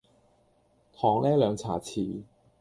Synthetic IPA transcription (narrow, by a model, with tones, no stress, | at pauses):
t̪ʰɔː˨˩ŋlɛː˥lœː˨˧ŋt͡sʰaː˨˩t͡sʰiː˨˩